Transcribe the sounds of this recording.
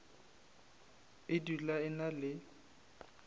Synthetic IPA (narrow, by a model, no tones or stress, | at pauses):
ɪdulaɪnalɪ